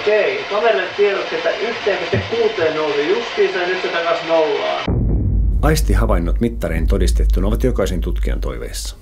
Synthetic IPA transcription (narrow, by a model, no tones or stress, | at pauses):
keikɑʋeret̪t̪ieɾot̪ːet̪ːæʔyht̪eːkysekuːt̪ˑeːnnousijust̪iːst̪ɑnyt̪set̪ækɑnsnoulːɑ̰ː | ɑjst̪iɦɑʋɑjnːot̪mit̪ːɑɾḛːnt̪o̞dist̪et̪ːunoʋɑt̪jo̞kɑisent̪ut̪kiɑ̰nt̪o̞̰jʋḛːsːɑ̥